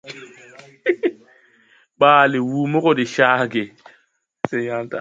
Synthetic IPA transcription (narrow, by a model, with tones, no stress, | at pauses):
ɓaː˨le˨wuː˨mo˦ko˦˨ɗe˨ʃaː˦ɡe˨ | se˦ja˦nta˨